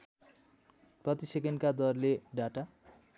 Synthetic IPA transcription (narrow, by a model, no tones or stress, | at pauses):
prʌt̪isekenkad̪ʌrleɖaʈa